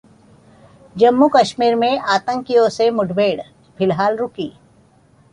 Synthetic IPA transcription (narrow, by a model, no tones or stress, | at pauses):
d͡ʒɐmːukɐʃmiːɾmẽʔaːt̪ə̃ŋkijõsemʊɖbeːɽ | fɪlɦaːlɾʊkiː